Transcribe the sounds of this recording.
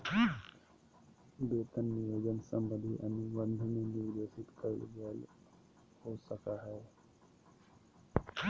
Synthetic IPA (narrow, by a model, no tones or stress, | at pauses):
b̪eːt̪ənːijoːd͡ʒənsə̃mbənd̪ʱiʔɐniʋə̃nd̪ʱniniʋd̪eːsɪt̪kəlɡəl | hosəkaɦɛː